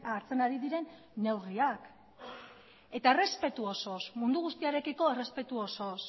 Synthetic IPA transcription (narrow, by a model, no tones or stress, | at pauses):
aɾt͡se̞naɾiðiɾe̞nː | e̞wriak | e̞t̪ae̞re̞spe̞t̪uoso̞smund̪uɣ̞ust̪iaɾe̞kiko̞erespe̞t̪uo̞so̞s